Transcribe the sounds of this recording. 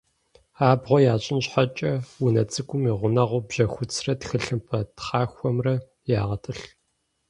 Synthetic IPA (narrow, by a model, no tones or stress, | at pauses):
aːbʁʷɔjaːɕʼɪnɕħat͡ʃʼɐwʊnɐt͡sʼɨkʷʼʊmiːʁʷʊnɐʁʷʊbʑɐxʷʊt͡sʰrɐtxɨɬɨmpʰɐtχɑːxʷɔmrɐ | jaːʁɐtʰʼɨɬ